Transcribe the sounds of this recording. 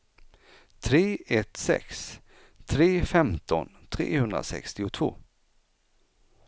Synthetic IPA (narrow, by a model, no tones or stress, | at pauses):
t̪ʰɾeːɛt̪sɛ̰ks | t̪ʰɾeːfɛmt̪ɔnt̪ʰɾḛːhɵnd̪ɾa̰sɛ̰kst̪ɪʊt̪ʰvo̰ː